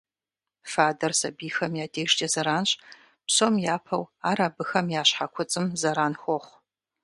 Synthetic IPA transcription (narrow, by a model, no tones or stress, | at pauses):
faːdɐrsɐbiːxɐmjaːdʰeːʂtʰʼɐzɐɾaːnɕ | pɕomjaːpʰɐwaːɾaːbɨxɐmjaːɕħakʷʰʊt͡sʼɨmzɐɾaːnxʷɔχʷ